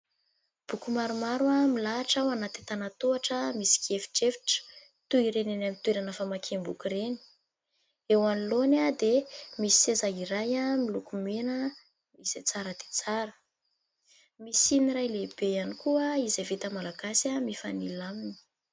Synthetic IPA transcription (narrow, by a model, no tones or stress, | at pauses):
b̥ukumaɾumaɾwamilaʈ͡ʂawanat̪it̪anat̪oaʈ͡ʂəmisi̥kiefi̥ʈ͡ʂefi̥ʈ͡ʂə̥ | t̪uiɾenenamint̪uweɾanəfamakʰembukuɾeni̥ | ewanilonad̪emisi̥sezaiɾajamilukumenə | miset͡saɾəd̪̥e̥t͡saɾə | misiniɾajleb̥ejanikuəizavit̪əmalaɡasamifanilamini̥